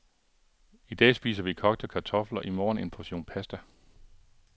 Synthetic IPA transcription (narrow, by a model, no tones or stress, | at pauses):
id̥ɛ̰ːsb̥ḭːsɐʋikʰɒ̽ɡ̥d̥əkʰɑ̈t͡sʰɒ̽flɐʔimɒ̰ːn̩e̝npʰɒɕo̝̰ːnpʰæsd̥æ